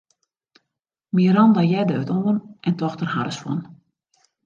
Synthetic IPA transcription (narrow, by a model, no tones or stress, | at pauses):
miəɾɔndajɛdəøtoːənʔɛntɔxtərɦa̰ɾəsfwɔn